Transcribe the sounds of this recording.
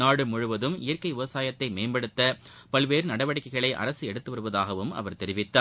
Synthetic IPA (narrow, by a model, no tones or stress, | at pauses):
naːɽɯmʊɻɯʋɐðɯmɪjɐɾkɐɪʋɪʋɐsaːjɐt̪ːɐɪmeːmbɐɽɯt̪ːɐpɐɭʋeːɾnɐɽɐʋɐɽɐkːɐɪɣɐɭɐɪʔɐ̰ɾɐsɯɛɽɯt̪ːɯʋɐɾɯʋɐðaːɣɐʋɯmɐ̰ʋɐɾt̪ɛɾɪʋɪt̪ːaː